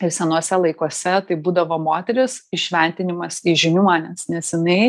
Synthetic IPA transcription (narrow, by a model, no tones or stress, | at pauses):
ɪɾsʲɛnuɔsʲɛlˠɐɪkuɔsʲɛt̪ɐɪbuːd̪ɐʋoːmoːt̪ʲɛɾʲɪsɪʃʲʋʲɛˑnʲt̪ʲɪnʲɪmɐsiʒʲɪnʲunʲɛsnʲɛsjɪnɐɪ